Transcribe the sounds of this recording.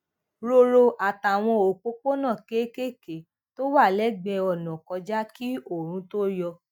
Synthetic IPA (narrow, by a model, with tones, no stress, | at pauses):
ɾo˧ɾo˧ʔa˨ta˨w̃ɔ̃˧o˨k͡po˦ko˦nã˦˨ke˦ke˦ke˨ | to˦wa˦˨lɛ˦˨ɡ͡bɛ˧ɔ˨nɔ̃˨kɔ˧d͡ʒa˦ki˦o˦˨ɾ̃ũ˧˦to˦jɔ˧